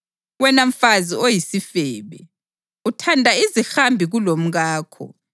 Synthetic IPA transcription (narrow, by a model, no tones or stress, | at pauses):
wɛnaɱ̩faziojisifɛːβɛ̰ | utʰandʱaizixambʱiɣulom̩ɣaːkʰɔ̰